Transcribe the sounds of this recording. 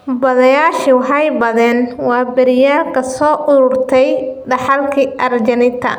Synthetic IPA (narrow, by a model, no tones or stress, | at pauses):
bɐðɐjaːʃiwɑħɑjbɐðɛːnwɑːbɪɾɪjaːlkʰɐsɔːʔʊɾʊrt̪ʰɛjɖɑħɑlkʰiʔɐrd͡ʒɐnɪnt̪ʰɐ̰